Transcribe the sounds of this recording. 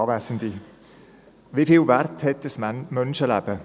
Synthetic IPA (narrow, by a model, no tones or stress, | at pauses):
ɑvæsn̩di | vifiːlvɛrthɛt̚dəsmœnʃəlæb̥ə